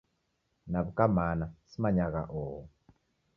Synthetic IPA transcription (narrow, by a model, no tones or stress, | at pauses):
naβukamanasimaɲaɣa̰ʔɔːɦɔ